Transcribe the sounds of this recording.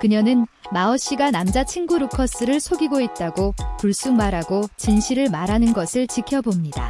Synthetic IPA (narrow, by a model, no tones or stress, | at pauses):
kɯɲʌnɯnmaʌɕ͈iɡanamd͡ʑat͡ɕʰiŋɡuɾukʰʌs͈ɯɾɯɭsʰoɡiɡoit̚t͈aɡopuɭs͈uŋmaɾaɡot͡ɕinɕʰiɾɯɭmaɾɦanɯnɡʌsʰɯɭt͡ɕikʰjʌbomɲida̰